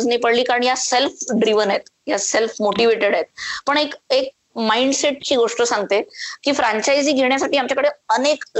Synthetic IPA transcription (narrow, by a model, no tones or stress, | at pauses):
d͡znipəɽliːkaɾəɳjaselfɖɾiʋənet̪jaselfmoʈiʋeʈeɽaet̪̚pəɳekek̚ | maiɳɖseʈ̚t͡ɕiːɡoʂʈəsãŋɡt̪ekiːfɾaɲt͡ɕaid͡ziːɡʱeɳjasaʈiːamt͡ɕakəɽeənek